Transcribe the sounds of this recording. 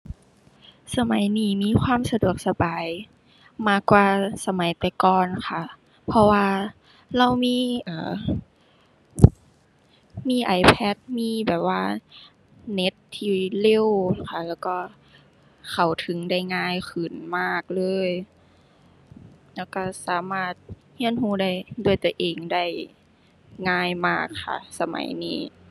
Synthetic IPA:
sa˧ma˨˦jniː˧˩miː˧˥˨xʰwaː˧˥˨msa˧du˨˩ək̚sa˧baː˨˦j | maː˧˩kwaː˧sa˧ma˨˦jt̪ɛː˨˩kɔː˨nxʰa˧˩ | pʰɔ˧waː˧ | la˧˩˨wmiː˧˥˨ʔaː˨˩ | miː˧˥˨ʔa˨˩˦jpʰɛ˧˥˩t̪̚miː˧˥˨bɛː˨˩p̚waː˧ | ne˧˦˥t̪ʰːiː˧˩le˧˥˩wkʰa˧˩lɛː˧˥˩wkɔː˧˩ | kʰa˧˩wt̪ʰɯ˨˦ŋda˥˩jŋaː˧˥˩jxʰɯ˨˩nmaː˧˥˩k̚lɤː˧˥j | lɛ˧˩wkɔ˧˩saː˨˦maː˧˩t̪̚ | hi˧˥ə˨nhuː˧˩da˧˥˩jdu˧˩əjt̪u˧˩əʔeː˨˩ŋda˥˩j | ŋaː˧˩jmaː˧˥˩kʰːa̰˧˩sa˧ma̰˨˦jnḭː˧˩

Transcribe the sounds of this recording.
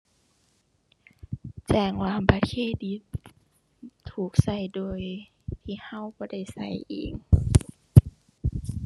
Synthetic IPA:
t͡ɕɛː˧˩ŋwaː˧˨baː˧˦t̪̚kʰeː˧˥˨di˧˦t̪ | uː˨˩k̚sa˧˩jdoː˧˨j | t̪ʰiː˧˩ha˧˨wbɔː˧˦da˧˥˩jsa˧˩jʔḛː˨˩ŋ

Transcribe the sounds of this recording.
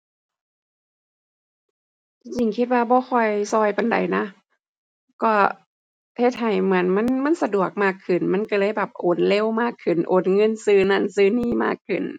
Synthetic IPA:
t͡ɕi˧ŋt͡ɕi˧˩ŋkʰi˧t̪̚waː˧bɔː˧˦xʰɔ˧˩jsɔː˧˩jpa˨nda̰˨˩jna˧˥ | kɔː˧˩ | he˧˩t̪̚ha˨˩jmɯ˩˦ənma˧˥˨nma˧˥˨nsa˧du˨˩ək̚maː˧˩kʰːɯ˨˩nma˧˥˨nka˧˩lɤː˧˩˨jbɛː˨˩p̚ʔoː˨˩˦nle˧˩˨wmaː˧˥˩kʰːɯ˨˩nʔoː˨˦nŋɤ˧˥˨nsɯː˧˩na˧˥˨nsɯː˧˥niː˧˥˩ma̰ː˧˥˩kʰːɯ˨˩n

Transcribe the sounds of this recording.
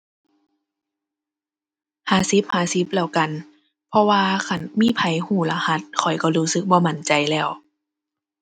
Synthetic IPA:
haː˨˧˩si˧˦p̚haː˧˩si˧˦p̚lɛː˧˩˨wka˨n | pʰɔ˧waː˧kʰa˧˩nmiː˧˥˨pʰa˧˦jhuː˧˩la˧ha˧˦t̪̚kʰɔ˨˩jkɔ˧˩ɾuː˧˥sɯ˧˦k̚bɔː˧˦ma˧˩nt͡ɕa˨˩jlɛː˧˩w

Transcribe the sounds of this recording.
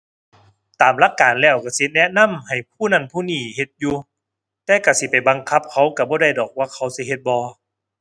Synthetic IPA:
t̪aː˨˩mla˧˥˨kːaː˨nlɛː˧˥˩wka˧˩si˧˦nɛ˧na˧˥˨mha˨˩jpʰuː˧˥˨na˧˥˨npʰuː˧˨niː˧˩he˧t̪̚juː˧ | t̪ɛː˧ka˧˩si˧˦pa˨˩jba˨˦ŋkʰa˧˥p̚kʰa˧˥˩wka˧˩bɔː˧˦da˧˩˨jdɔː˨˩k̚waː˧˥˨kʰa˧˩˦wsi˧˦ɦe˧t̪̚bɔː˧

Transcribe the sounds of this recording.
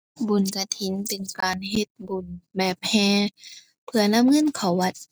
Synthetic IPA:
bu˨˩˨nka˧˩t̪ʰi˨˦npe˨nkaː˨˩nɦe˧˦t̪̚bu˨˩nbɛː˨˧˩p̚hɛː˧˦ | pʰɯ˧ɐna˧˥˨mŋɤ˧˥˨nkʰa˨˩wːa˧˩t̪̚

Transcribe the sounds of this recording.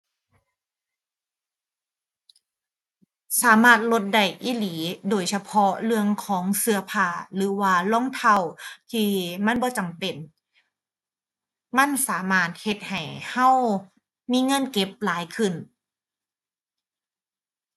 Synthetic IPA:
saː˩˦maː˧˩t̪̚lo˧t̪̚da˧˩jʔiː˧˥˨liː˩˦doː˨˩jsa˧pʰɔ˦˥lɯ˧əŋkʰɔː˩˦ŋsɯ˧ɐpʰaː˧˩lɯː˨˩˦waː˧lɔː˧˥˨ŋt̪ʰa˧˩wt̪ʰiː˧˩ma˧˥˨nbɔː˧˦t͡ɕa˨˩mpe˨˩n | ma˧˥˨nsaː˩˦maː˧˥˩t̪̚he˧˦t̪̚ha˨˩jha˧˥˨w | miː˧˥˨ŋɤ˧˥˨nke˧˦˩p̚laː˨˦jkʰɯ˧˩n

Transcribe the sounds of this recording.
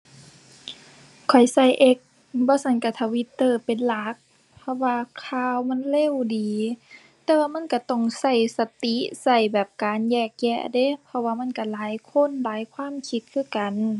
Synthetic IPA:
kʰɔ˨˩jsa˧˩jʔe˧˦k̚ | bɔː˧˦sa˧˦nka˧˩t̪ʰa˧˩wi˧˦t̪ːɤː˧˩pe˨nla˧˦k̚ | pʰɔ˧˥waː˧kʰaː˧˨wma˧˥˨nleː˧˥˨wdiː˨˦ | t̪ɛː˧˨waː˧˨ma˧˥˨nka˧˩t̪ɔ˧˩ŋsa˧˩jsa˧t̪i˧˦sa˧˩jbɛː˨˩p̚kaː˨njɛː˧˩k̚jɛ˧˨ʔde˧˥˨pʰɔ˧waː˧ma˧˥˨nka˧˩laː˨˦jkʰo˧˥˨nlaː˨˦jkʰwaː˧˥˨mkʰi˧t̪̚kʰɯː˧˥˨ka˨n

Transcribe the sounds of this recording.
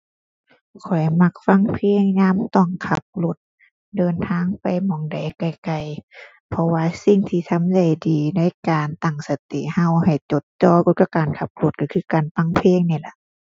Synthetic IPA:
kʰɔ˨˩jma˧˩k̚fa˧˥˨ŋpʰeː˧˥˨ŋɲaː˧˥˨mt̪ɔ˧˩ŋkʰa˧˦p̚lo˧˦t̪̚ | dɤː˨nt̪ʰaː˧˥˨ŋpa˨˩jmɔː˨˩˦ŋda˨˩jka˧˩jka˧˨˩j | pʰɔ˧waː˧si˧ŋt̪ʰiː˧t̪ʰa˧˥˨mda˧˩jdiː˨na˧˥˨jkaː˨nt̪a˧˨˩ŋsa˧˦t̪ḭ˧˩˨ha˧˩wha˨˩jt͡ɕo˧˦t̪̚t͡ɕɔː˧˩ko˧t̪̚ka˧kaː˨˩nkʰa˧p̚lo˧t̪̚ka˧kʰɯː˧˦kaː˨˩nfa˧˥˨ŋpʰeː˧˥˨ŋniː˧˩la˧˦ʔ

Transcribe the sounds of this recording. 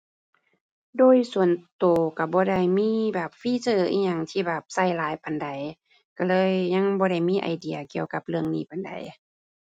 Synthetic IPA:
doː˧˨jsu˨˩˨ənt̪oː˨˩ka˧˩bɔː˧˦da˧˩jmiː˧˥˨bɛː˨˩p̚fiː˧˥˨sɤː˧˩ʔḭː˧˨ɲa˧˩ŋt̪ʰiː˧˩bɛː˨˩p̚sa˧˩jlaː˨˦jpa˨nda˨j | ka˧˩lɤː˧˥˨jɲa˧˥˨ŋbɔː˧ɾa˧˩jmiː˧˥˨ʔa̰˨˩jdi˨ɐki˧˨əwka˧˦p̚lɯ˧əŋniː˧˩˨pa˨nda̰˨˩j

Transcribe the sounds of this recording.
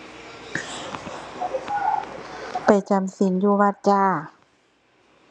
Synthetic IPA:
pa˨˩jt͡ɕa˧˨msi˨˦njuː˧˩wa˧˩t̪̚t͡ɕaː˧˩

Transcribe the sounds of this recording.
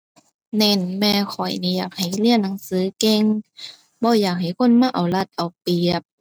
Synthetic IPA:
ne˧˨nmɛː˧kʰɔ˨˩jniː˧˨jaː˨˩k̚ha˨˩jli˧˥ə˨nːa˧˦ŋsɯː˨˦ke˧˨ŋ | bɔː˧˦jaː˨˩k̚ɦa˨˩jkʰo˧˥˨nmaː˧ʔa˨˩wla˧˩t̪̚ʔa˨˩wpi˨˩əp̚

